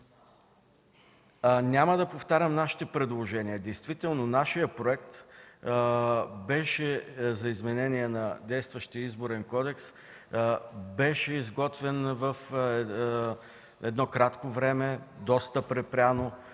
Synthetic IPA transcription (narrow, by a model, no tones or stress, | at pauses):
nʲaməd̪ɐpoft̪aɾʲəmnaʃi̥t̪ɛpɾɛd̪lˠoʒɛniəd̪ɛjst̪vit̪ɛlˠnonaʃijəpɾoɛkt̪ | bɛʃɛzɐizmɛnɛniɛnɐd̪ɛjst̪vəʃt̪iəizboɾɛnkɔd̪ɛks | bɛʃɛizɡɔt̪vɛnvɐf | ɛd̪nɔkɾat̪kovɾɛmɛd̪ɔst̪əpɾɛpɾʲano